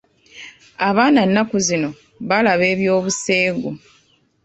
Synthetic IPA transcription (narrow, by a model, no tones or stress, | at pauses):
aβaːnanːakuzino̞ | βalaβe̞ːβjoːβuse̞ːɡo